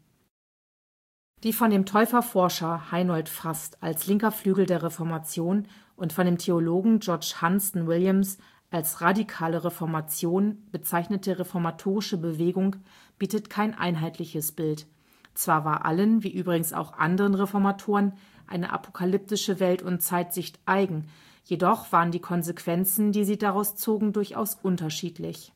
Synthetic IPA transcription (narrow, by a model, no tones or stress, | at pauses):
d̥iːfɔndeːmtʰɔʏfɐfɔɐʃɐhaɪnɔltfastalslɪŋkɐflyːɡl̩deːɐʁ̞efɔɐmat͡sjoːn | ʔʊntfɔndeːmtʰeoloːɡŋ̩d͡ʒɔɐt͡ʃhansn̩wɪljams | ʔalsʁadikʰaːləʁefɔɐmat͡sjoːnb̥ət͡saɪçnətʰəʁefɔɐmatʰoːʁɪʃəbəveːɡʊŋ | b̥iːtətkʰaɪnʔa̰ɪnɦaɪtlɪçəsb̥ɪlt | t͡sv̥aːɐvaːɐʔa̰lənviːʔyːbʁɪɡŋ̩sa̰ʊxʔa̰ndəʁənʁefɔɐmatʰoːʁən | ʔa̰ɪnə̰ʔa̰pʰo̥kʰalʏp̚tɪʃəvɛltʊntt͡saɪtz̥ɪçtʔaɪɡŋ̩ | jedɔχv̥aːʁəndiːkʰɔnzekʰv̥ɛnt͡sn̩diːziːdaʁaʊst͡soːɡŋ̩dʊɐçʔa̰ʊsʔʊntɐʃiːtʰlɪç